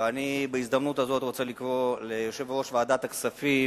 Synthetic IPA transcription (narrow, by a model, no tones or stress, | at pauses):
anibaizd̪amnutazo̞t̪ʁo̞t͡se̞likʁo̞lejoʃe̞vʁo̞ʃveaːd̪at̪aksafi